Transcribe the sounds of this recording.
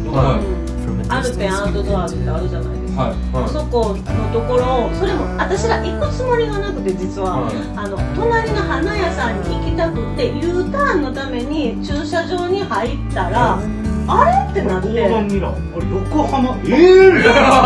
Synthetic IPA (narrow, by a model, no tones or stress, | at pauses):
o | aɾɯ̟pẽ̞ɰ̃aɯ̟t̪o̞d̪o̞βaɾɯt̪ːeaɾɯ̟ʑana̰id̪e | oso̞ko̞ | no̞t̪o̞ko̞ɾo̞so̞ɾe̞mo̞βat̪aɕiɾaʔikːot͡sɨmo̞ɾʲiɡanakɯ̟t̪e̞d͡ʑit͡sɨβaː | no̞t̪o̞naɾʲino̞hanajasãɲ̟ːiikʲit̪akɯ̟t̪ːe̞jɯːt̪ãnːo̞t̪ame̞ɲ̟it͡ɕɨːɕaʑo̞ːɲ̟ihait̪ːaɾaː | ɾe̞t̪ːe̞nat̪ːe | koɾejokohanae